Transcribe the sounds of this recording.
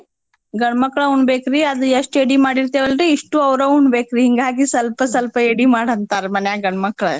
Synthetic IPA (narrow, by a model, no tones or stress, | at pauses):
ɡɐɳmɐkːɐɭɐuɳɖbeːkɾiɐd̪ueʂʈeɽimaːɽiɾt̪eːʋɐlɾiːʂʈuɐʋɾɐuɳɖbeːkɾiɦiŋɡaːɡisɐlpɐsɐlpɐeɽimaːɽɐnt̪aːɾmɐnjaɡɐɳmɐkːɐɭɐ